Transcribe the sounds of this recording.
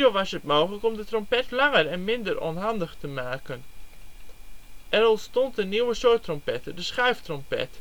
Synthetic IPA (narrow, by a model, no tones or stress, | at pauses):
oʋasətmoːxələkɔmdətrɔmpɛtlɑŋərɛnmɪndərʔo̰ːnɦɑndəxtəmaːkən | ʔɛɾɔlˠstɔnt̚dəniwəsoːtrɔmpɛtədəsχɛɥftrɔmpɛ̰t